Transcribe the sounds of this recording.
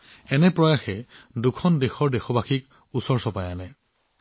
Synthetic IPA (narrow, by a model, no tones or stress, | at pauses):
ɛnɛpɹɔjaxɛdukʰɔndexɔɹdexɔbaxik | usɔɹsɔpajanɛ